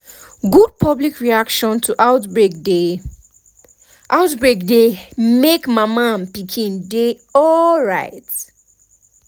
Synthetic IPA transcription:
ɡud̚pʰʌblikʰɹiakʃɔ̃ntʰuʔaʊtbede | ʔaʊtbɹek̚demekmamãmpikʰĩnde | ɔlɹaɪt

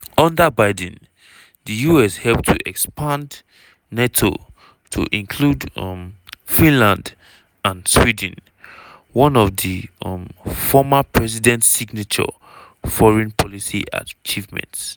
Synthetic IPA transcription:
ɔ̃ndəbaɪd̃n | dəjuɛshɛlp̚tʰuʔɛkspʰãndː | etʰo̰ | tʰṵʔĩnkʰludmfĩnlãnd | ãnswidn̩ | wɔ̃nɔvðimfɔmapʰɹɛs̬idɛ̃ntsiɡnat͡ʃɔ̰ | fɔɹɛ̃npʰɔlisiʔa̰t͡ʃivmɛ̰̃nts

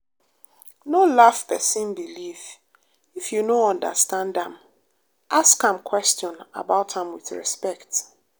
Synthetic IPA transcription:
nolafpʰɛsĩnbiliv | ifjunoɔ̃ndə̰stãndãm | ʔaskãmkʰwɛstjɔ̃na̰baʊtãmwɪ̰θɹɛ̰spɛkt

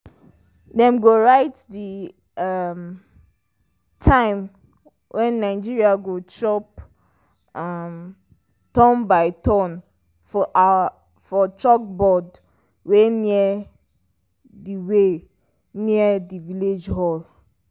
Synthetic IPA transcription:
dɛ̃mɡoɹaɪtdi | am | tʰãɪ̃m | wʔɛ̃nːãɪd͡ʒiɹiaɡotʰɹɔp | am | tɔ̃nbaɪtɔ̃n | fɔtʰɹɔk̚bɔd | wɛniɛ | diwe | niɛdiviled͡ʒɦɔl

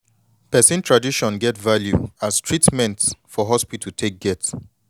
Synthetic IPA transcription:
pɛsĩntʰɹadiʃɔ̃nɡɛtvaljṵastʰɹitmɛ̃ntfɔɦɔspitʰutʰek̚ɡ̥ɛts

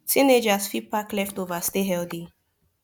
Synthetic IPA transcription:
sined͡ʒasfipaklɛft̪ovast̪eɦɛld̪i

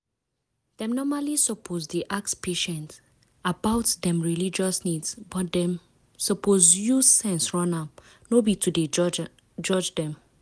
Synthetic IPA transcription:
d̥ɛ̃mnɔmalisɔpʰozdiʔakspʰeʃɛ̃nt | abaʊtdɛ̃mɹilid͡ʒɔsnidsbɔtdɛ̃m | sɔpʰozjusɛ̃nsɹɔ̃nap̚ | nobitʰude | d͡ʒɔd͡ʒdɛ̃m

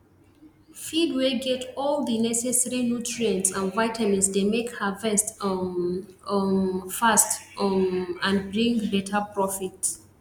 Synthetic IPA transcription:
fidwiɡɛtɔldənɛsɛsɛɹinutɹiɛ̃ntsãnvaɪtʰamĩnsdemekhəvɛst | fast | ãnbɹĩŋɡbɛtʰapɹɔfits

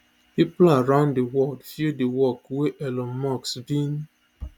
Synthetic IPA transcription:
hiplaaɹãʊ̃ndewɔldfidewɔkweʔɛlɔ̃nmɔksbĩn

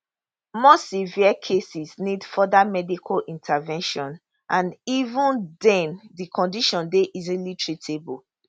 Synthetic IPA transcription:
mɔsiviəkʰesisnidfɔdamɛdikʰalʔĩntʰavɛ̃nʃɔ̃n | ʔãnivũndɛ̃ndikʰɔ̃ndiʃɔ̃ndeʔizilitʰɹitʰebu

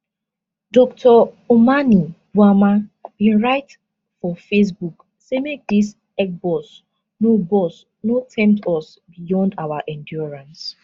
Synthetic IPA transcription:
dɔktʰɔ | omanibwamabĩnɹaɪt | fɔfes̬buk | semek̚dis | ɛk̚bɔs | nobɔs | notʰɛ̃mptɔs | bijɔ̃ndawaʔɛ̃ndjɔɹãns

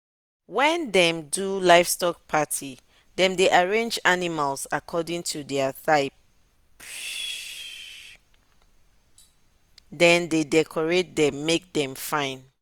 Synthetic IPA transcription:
wɛ̃ndɛ̃mdulaɪfstɔk̚pʰatʰi | dɛ̃mdeʔaɹẽnd͡ʒanimalsakʰɔdĩŋtʰudɛəθaɪp̚ | dɛ̃ndedɛkʰɔɹet̚dɛ̃mːek̚dɛ̃mfãɪ̃n

